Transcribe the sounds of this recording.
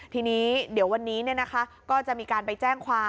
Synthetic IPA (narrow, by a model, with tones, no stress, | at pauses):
t̪ʰiː˧niː˦˥di˩˦əwa˧nːiː˦˥ni˥˩ɐna˦˥kʰa˦˥kɔː˥˩t͡ɕa˨˩ʔmiː˧kaː˧npa˧jt͡ɕɛː˥˩ŋkʰwaː˧